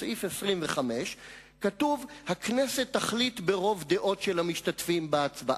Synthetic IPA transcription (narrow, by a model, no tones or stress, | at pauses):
ifesʁimveχameʃ | katuvhaknese̞t̪ːaχlit̪beʁo̞vd̪eʔo̞tʃelhamiʃtatfimbaat͡sbaʔ